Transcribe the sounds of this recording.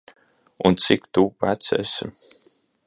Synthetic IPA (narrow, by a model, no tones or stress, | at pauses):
unt̪sikt̪uːpæt̪sɛ̰sḭm